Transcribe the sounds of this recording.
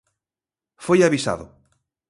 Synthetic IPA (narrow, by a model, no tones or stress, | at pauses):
fojaβisa̰ðʊ̰